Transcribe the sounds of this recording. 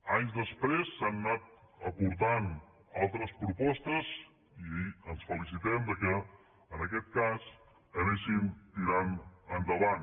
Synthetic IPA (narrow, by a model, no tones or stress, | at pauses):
aɲzd̪əspɾesːanːat̪̚ | əpuɾt̪an | alˠt̪ɾəspɾupɔst̪əz | iənsfəlis̬it̪ɛmd̪əkɛ | ənəkɛt̪̚kas | əɣesimt̪iɾanənd̪əβan